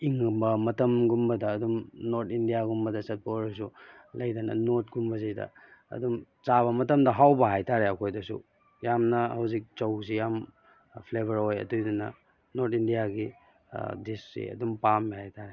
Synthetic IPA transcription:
iŋbɐmɐtɐmɡumbɐdɐːdumnoɾtʰindijaɡumbɐdɐsɐt̚pɐoɾes̬u | lɐjdanɐ̰not̚ɡumbɐzijdɐ̰ɐ̰dum | t͡ʃaβɐmɐtɐmdɐɦawbɐɦajtʰaɾeɐkʰojdɐsṵ | jamnɐhɐwzik̚t͡ʃɐws̬ijam | pʰlebɐɾojɐ̰tujdunɐ̰ | noɾtʰindijaɡi | distɾḭɐ̰dumpamihajtʰaɾe

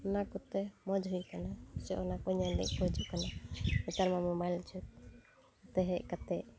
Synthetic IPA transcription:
ɔnakɔt̪ɛmɔd͡ʒɦujkanasɛʔɔnakɔɲanɛ̰ʔ̚kɔjt͡ʃuʔkanabɛt̪aɾmamɔmajlt͡ʃʰut̪̚ | ɔt̪ɛɦɛʔ̚kat̪ɛʔ

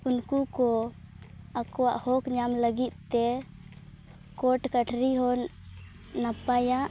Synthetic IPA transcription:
unkukɔ | akɔwaʔhɔkɲamləɡit̪̚t̪ɛ | kɔʈkəʈʰɾiɦɔn | napajaʔ

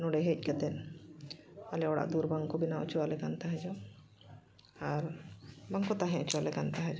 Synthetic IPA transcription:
nuɽeɦec̚ˀkɛt̪ɛn | alɛɔɽa̰ʔd̪uɾbaŋkɔbinaṵt͡ʃʰualɛɡant̪aɦɛd͡ʒɔ | aɾbaŋkɔt̪aɦɛ̃ʊt͡ʃʰualɛɡant̪aɦɛd͡ʒɔ

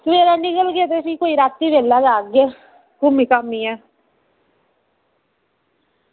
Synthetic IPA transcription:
sʋeːɾaːnɪkəlɡet̪esikoːiːɾaːt̪ːiːʋeːlːaːd͡ʒaːɡeː | kʊmiːkamːĩːɛː

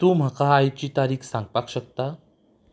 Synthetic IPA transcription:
t̪uːm̤akaːjt͡ɕiːt̪aɾiːkʰsãŋɡpakɕək̚t̪a

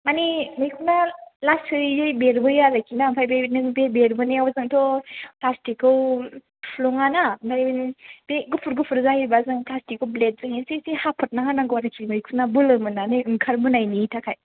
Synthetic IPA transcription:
manimɯjkʰunalastɯɾizɯjbeɾbɯjalajkʰinampʰajbenɯbebeɾbɯneawazɯŋtʰɔplastikɯw | pʰlɔŋanampʰajbnb̥eɡupʰuɾɡupʰɯɾzajibazɯŋplastikɯwblet̚zɯŋesisihapʰɔt̚naɦanaŋɡwaɾɯkʰimɯjkʰunabɯlɯmɯnaniɯŋkʰaɾmɯnajnitʰakʰaj

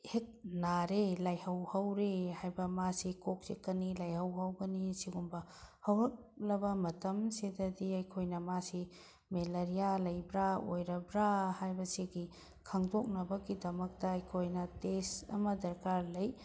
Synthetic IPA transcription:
hek̚naɾelajhɐwhɐwɾehajbɐmasikok̚sekːɐnilajɦɐwɦɐwɡɐnisiɡumbɐhɐwɾɐk̚ | lɐbɐmɐtɐmsedɐdiɐjkʰojnɐmasi | melɐɾijalɐjbɾaojɾɐbɾahajbɐsiɡi | kʰaŋdok̚nɐbɐɡidɐmɐk̚tɐːjkʰojnɐtesɐ̰mɐdɐɾkaɾlɐj

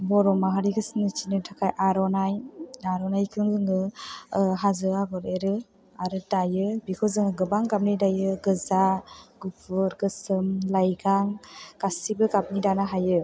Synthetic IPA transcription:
bɔɾɔmaɦaɾiɡʰɯsinit͡ʃinɯtʰakʰajʔaɾɔnajnaɾɔnajkʰɯŋzɯŋɯ | ɦazɯaɡɔɾeɾɯ | aɾɯdajɯbikʰɯzɯŋɯɡɯbaŋɡap̚nidajɯɡɯzaɡupʰɯɾɡɯsɯmlajɡaŋkasibɯkap̚nidanaɦajɯ

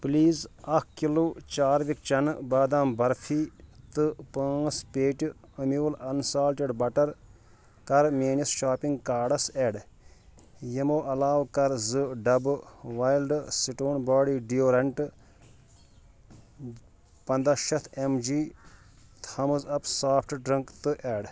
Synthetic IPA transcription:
pliːzɐkʰkilot͡ʃaːɾʋik̚t͡ʃɐnbaːd̪aːmbɐɾfʰiːt̪ɨpãːspeːʈʲ | ɐmiʋlɐnsaːlʈiɖbɐʈɐɾ | kɐɾmeːnisʃaːpĩŋɡkaːɖɐseɖ | jɐmoːʔɐlaːwkɐɾzɨɖɐbɨʋaːjilɖsiʈoːnbaːɽiːɖijoːɾɐɳʈɨ | pɐnd̪aːʃɐt̪ʰemd͡ʒiː | t̪ʰɐmɨzɐpsaːpʰʈɖɾɐŋkt̪ɨʔeːɖ

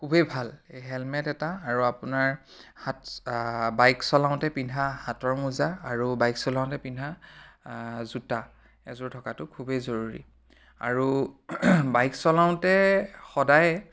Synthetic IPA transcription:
kʰubebʱaleɦɛlmɛtɛtaːɹuapʊnaɹ | hat | bajksɔlaʊ̃ntɛpindʱahatɔɹmuzaːɹubajksɔlãʊ̃ntɛpindʱa | zuta | ɛ̰zʊɹtʰɔkatʊkʰubezoɹuɹḭ | a̰ɹu | bajksɔlaʊ̃ntɛxɔdaj

